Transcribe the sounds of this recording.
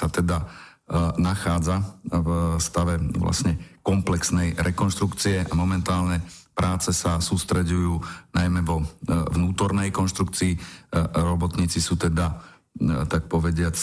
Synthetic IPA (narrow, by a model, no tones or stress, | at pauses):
sat̪ɛd̪a | naxaːd͡zavst̪aʋɛʋla̰sɲɛkɔmplɛksnɛjɾɛkɔnʃt̪ɾukt͡siɛʔamɔmɛnt̪aːlɲɛpɾʔaːt͡sɛsasuːst̪ɾɛɟujuːnajmɛʋɔʋnuːt̪ɔɾnɛjkɔnʃt̪ɾuk̚t͡siːɾɔbɔt̪ɲiːt͡sisuːt̪ɛd̪a | t̪ak̚pɔʋɛɟɪat͡s